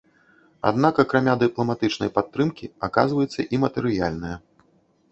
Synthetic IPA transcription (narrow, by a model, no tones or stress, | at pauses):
a̰d̪̚nakɐkɾamʲad̪ɨplˠɐmat̪ɨt͡ʂnɐjpat̪ːɾɨmkʲiaka̰zvɐjut̪sːɐʔimɐt̪ɛɾɨjalʲnɨjɐ